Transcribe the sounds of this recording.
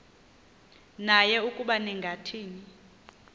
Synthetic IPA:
najɛukʼuɓanɛŋɡʱatʰiːni

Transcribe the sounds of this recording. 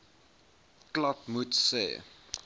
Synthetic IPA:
klɐp̚mutsḛː

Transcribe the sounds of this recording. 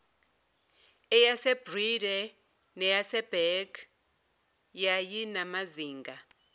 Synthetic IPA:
ɛjasɛbridɛ | nɛjasɛb̥ɛɡ | jajinamaziːŋɡʱa

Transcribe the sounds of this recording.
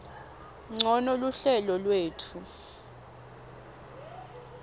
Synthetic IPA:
ŋ͡ǀʱɔnɔluɬɛlɔlweːtʰu

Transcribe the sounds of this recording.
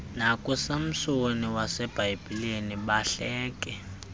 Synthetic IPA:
nakʼusam̩sooniwasɛb̥ʱajb̥ʱileniɓaɬɛːk̬ʼɛ

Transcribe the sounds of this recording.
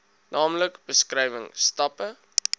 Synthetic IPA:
nɑːmləkb̥əskrɛjvəŋstɐpə

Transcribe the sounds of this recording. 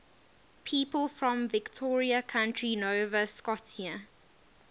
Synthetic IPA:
pʰiːpəlˠfɹɔ̃mvɪktʰɔːɹiəkʰãʊ̃ntʰɹinoʊvəskɔtʰiə

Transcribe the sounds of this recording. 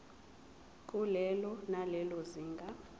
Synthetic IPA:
kʼulɛlɔnalɛlɔziːŋɡʱa

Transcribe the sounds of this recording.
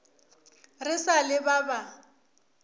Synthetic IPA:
rɪsalɪbaba

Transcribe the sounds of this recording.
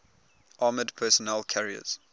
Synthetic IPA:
ʔɑːmədpʰɜsɔnɛlkʰaɹiə̰z̥

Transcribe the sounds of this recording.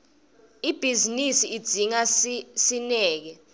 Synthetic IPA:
ib̥ʱizinisiːd̥z̥ʱiŋasinɛːk̬ɛ

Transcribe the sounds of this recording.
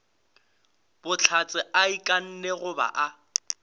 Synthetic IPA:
b̥ʊt͡ɬʰat͡sʼɪaikʼan̩neɣʊba̰ʔa

